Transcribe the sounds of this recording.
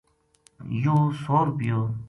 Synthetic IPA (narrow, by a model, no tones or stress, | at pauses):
joːsoːɾpijoː